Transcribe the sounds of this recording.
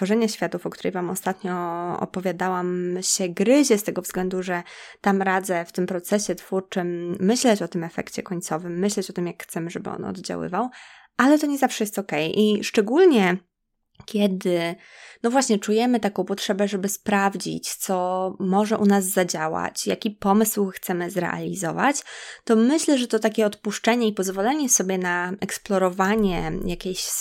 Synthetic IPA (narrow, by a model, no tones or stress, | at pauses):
tfɔʐɛɲaɕfʲjat̪ufɔk̚t̪uɾɛ̰jvamɔ̰st̪at̪ɲɔɔ̰pɔvʲjad̪awamɕɛɡɾɘʑɛst̪ɛɡɔvz̥ɡlɛnd̪uʐɛt̪amɾad̪zɛft̪ɘmpɾɔt̪sɛɕɛt̪fuɾt͡ʂɘmːɘɕlɛt͡ɕɔt̪ɘmɛfɛ̰kt͡ɕɛkɔɲt̪sɔvɘmːɘɕlɛt͡ɕɔt̪ɘmjakxt̪sɛmɘʐɛbɘ̰ɔ̰nɔ̰d̪d͡ʑa̰wɘ̰vaw | ʔalɛt̪ɔɲɛzafʂɛjɛst̪ɔkɛjʔiʂt͡ʂɛɡulɲɛ | kʲjɛd̪ɘnɔvwaɕɲɛt͡ʂujɛmɘt̪akɔ̃w̃pɔtʂɛbɛʐɛbɘspɾavd͡ʑḭt͡ɕt̪sɔmɔʐɛʔunazːad͡ʑawa̰t͡ɕjakʲipɔmɘswxt̪sɛmɘzɾɛ̰ʔa̰lʲizɔva̰t͡ɕt̪ɔmɘɕlɛʐɛt̪ɔt̪akʲɛɔt̪puʂt͡ʂɛɲɛipɔzvɔlɛɲɛsɔbʲjɛnaɛksplɔɾɔvaɲɛjakʲeɕ